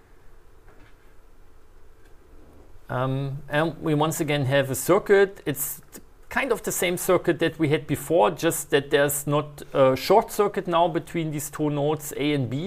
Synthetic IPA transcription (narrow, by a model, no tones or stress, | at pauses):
ʔmʔɨ̃nwiwʌ̃nsɨɡɛ̃nɦɨvəsɜ˞kɨtɪtskʰãɪ̃ndʌvðɨsẽɪ̃msɜ˞kɨt̪̚ðɨt̚wiɨd̚bɨfɔɹd͡ʒʌst̪̚ðɨt̪̚ðə˞znətəʃɔɹtsɜ˞kɨtⁿnaʊbɨtʰw̥ĩnðiz̥tʰunoʊtseɪɨ̃nbi